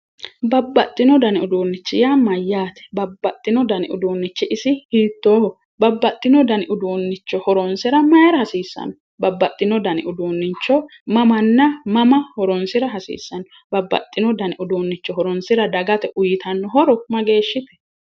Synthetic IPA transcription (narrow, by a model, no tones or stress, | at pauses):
bɐbːɐt̪ʼːɪnɔd̪ɐnɪʊd̪uːnːɪt͡ʃːɪjamɐjːaːt̪ɛ̥bɐbːɐt̪ʼːɪnɔd̪ɐnɪʔʊd̪uːnːɪt͡ʃːɪʔɪsɪhiːt̪ːoː | bɐbːɐt̪ʼːɪnɔd̪ɐnɪʊd̪uːnːɪt͡ʃːɔhɔɾɔnsɪɾɐmɐjɾɐhɐsiːsːɐ̰nɔ | bɐbːɐt̪ʼːɪnɔd̪ɐnɪ̰ʔʊd̪uːnːɪt͡ʃːɔ | mɐmɐnːɐmɐmɐhɔɾɔnsɪɾɐɦɐsḭːsːɐnɔ | bɐbːɐ̰t̪ʼːɪnɔd̪ɐnɪʔʊd̪uːnːɪt͡ʃːɔɦɔɾɔnsɪɾɐd̪ɐɡɐt̪ɛʔʊjɪt̪ʰɐnːɔɦɔɾɔmɐɡe̞ːʃːɪt̪ɛ̥